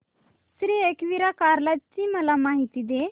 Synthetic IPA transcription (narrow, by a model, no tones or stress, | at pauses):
sɾiːekʋiɾakaɾlatt͡ɕiməlamaɦit̪id̪e